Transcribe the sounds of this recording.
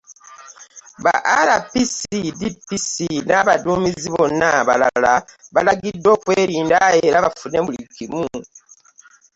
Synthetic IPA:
βa̰ʔaɾapisidipːisinaβaduːmiziβo̞nːaβa̰la̰laβalaɡidːo̞ːkweːɾiːndajeɾaβafune̞mulikːimu

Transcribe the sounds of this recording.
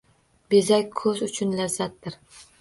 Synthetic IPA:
be̞zakʲkʰɵzʊt͡ʃʰʊnlazːat̪̚d̪ɪɾ

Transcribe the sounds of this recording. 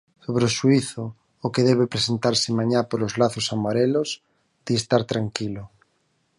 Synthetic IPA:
soβɾoʃuiθʊː | keðɛβepɾesent̪aɾsɪmaɲapoɾozlaθosamaɾelos | d̪̥iest̪aɾt̪ɾaŋkilo

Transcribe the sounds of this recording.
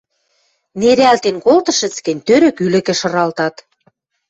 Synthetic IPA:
neɾælt̪enkolt̪ɤ̆ʃɘ̆t͡skɘ̆nʲt̪øɾø̆kylɘ̆kĕʃɤ̆ɾɑlt̪ɑt̪

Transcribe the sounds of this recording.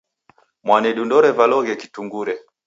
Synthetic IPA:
mwanɛɗundɔɾɛvalɔɣɛki̥tuŋɡuɾɛ

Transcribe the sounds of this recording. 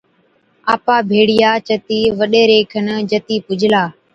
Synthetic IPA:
aːpaːbʱeːɽɪjaːt͡ʃət̪iːʋəɗeːɾeːkʰənd͡ʒət̪iːpʊd͡ʒʱlaː

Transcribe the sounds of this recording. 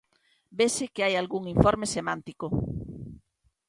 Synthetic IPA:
besekeajalɣuŋiɱfoɾmesemãnt̪iko

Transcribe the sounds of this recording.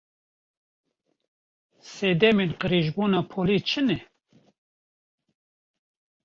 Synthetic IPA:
seːd̪ɛmenqəɾiʒbuːnɑːpʰolit͡ʃʰɨnɛ

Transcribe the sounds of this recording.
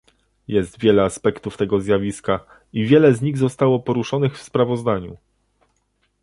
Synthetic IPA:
jɛst̪vʲjɛlɛaspɛkt̪uft̪ɛɡɔzʲjavʲiska | ivʲjɛlɛzɲiɣzɔst̪awɔpɔɾuʂɔnɘxfspɾavɔzd̪aɲṵ

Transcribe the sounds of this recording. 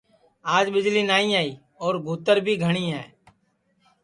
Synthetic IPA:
aːd͡ʒɓɪd͡ʒliːnaːĩːaːiː | ɔːɾɡʱuːt̪əɾbʱiːɡʱəɽ̃iːɦɛ̰ː

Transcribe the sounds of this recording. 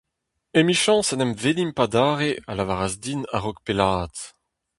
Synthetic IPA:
emiʃɑ̃sanɛmvelimpadaːʁealavaʁazd̪ina̰ʁɔk̚pelaːt̪

